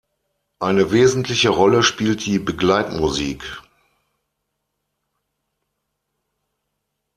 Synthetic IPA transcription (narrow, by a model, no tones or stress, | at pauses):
ʔaɪnəveːzn̩tʰlɪçəʁɔləʃpiːltd̥iːbəɡlaɪtmuziːk